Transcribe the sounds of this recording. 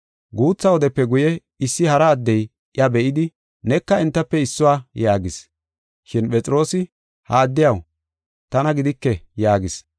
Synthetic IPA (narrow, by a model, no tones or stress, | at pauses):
ɡuːt͡sːɐwɔd̪ɛpːɛɡʊjɛ | ɪsːɪhɐɾɐːd̪ːɛj | ʔjɐbɛʔɪd̪ɪ | nɛkːɐɛnt̪ːɐpːɛɪsːʊwaːjaːɡɪs | ʃɪnpʼɛt͡sʼɪɾo̞ːsɪ | haːd̪ːɪjɐw | t̪ɐnɐɡɪd̪ɪkːɛjaːɡɪs